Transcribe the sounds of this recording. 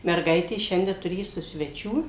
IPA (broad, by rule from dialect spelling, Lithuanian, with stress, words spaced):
mʲɛrˈɡɐɪtʲeːs ˈʃʲɛnʲdʲɛ tʊrʲeːˈsʊ sʲʋʲɛˈt͡ʃʲuː